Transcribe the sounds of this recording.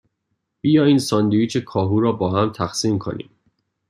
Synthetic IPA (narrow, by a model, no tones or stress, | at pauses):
b̥iːjɒːiːnsɒːnd̪ujiːt͡ʃʰekʰɒːɦuːɾɒːbɒːɦæmt̪ʰæxsiːmkʰo̞̰nḭːm